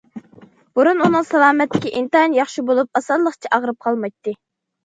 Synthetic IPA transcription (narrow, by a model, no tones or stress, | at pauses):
b̥uɾununɨŋsɛlˠɑːmɛt̪ːɪkʲiʔint̪ɑnjɑχʃibolˠup̚ɑsɑnlˠəχt͡ʃʰiʔɑʁɾɨp̚qʰɑlˠmɑjt̪ːɨ